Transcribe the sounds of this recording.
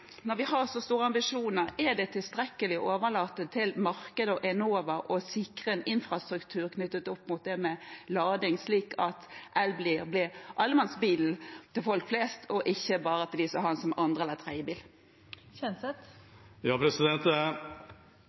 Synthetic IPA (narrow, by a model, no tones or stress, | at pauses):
nɔɾʋɪhɑʁsɔst̪uːʁəɑmbɪʂuːnəɾɛɖɛt̪ʰɪlst̪ɾɛkːəlɪʔoːʋəlɑːt̪ːət̪ʰɪlmɑʁkəd̪əɔʔɛnoːʋəɾɔsɪkʁəɛnɪnfʁɑst̪ɾʉkt̪ʰʉːɾkʰnʉt̪ːət̪ɔpːmʊt̪̚d̪ɛmɛlɑːd̪ɪŋsliːkɑt̪ʔælbliblɪʔɑlːəmɛnsbiːl̩t̪ʰːɪlfɔlkfleːst̪ʰɔʔɪçːəbɑːɾət̪ʰɪld̪ɪsɔhɑnsɔmʔɑnd̪ʁəɛlət̪ʰʁæɪəbiːl | ɛnsɛt̪jɑːpʰɾɛsɪd̪ɛnt̪